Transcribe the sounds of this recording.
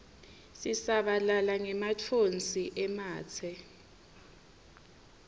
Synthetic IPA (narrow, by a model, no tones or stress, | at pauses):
sisaɓalalaŋɛmat͡fʰont͡sʼiʔɛmaːt͡sʰɛ